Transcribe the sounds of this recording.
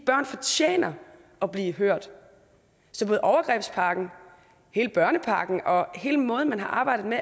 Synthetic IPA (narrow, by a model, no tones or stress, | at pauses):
b̥ɶɐ̰nfɒt͡ɕʰjḛːnɐ | ɒ̽b̥liːɦøɐ̰d̥ | sɒb̥o̽ːð̩ˠʔɒʊɐɡ̥ʁɛb̥spʰɑ̈ɡ̥n̩ | he̝ːləb̥ɶɐnəpʰɑ̈ːɡ̥n̩ʔɒ̽he̝ːləmɔ̽ːð̞̩ˠmænɦɑ̈ʔɑ̈ːb̥ɑ̈ɪ̰dð̩ˠme